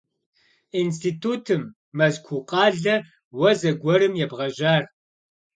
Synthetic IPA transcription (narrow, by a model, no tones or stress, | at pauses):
ins̬tʰitʰuːtʰɨmː | ɐzkʷʰuqʼɑːɮɐ | wɐzɐɡʷɔɾɨmjɛbʁɐʒaːr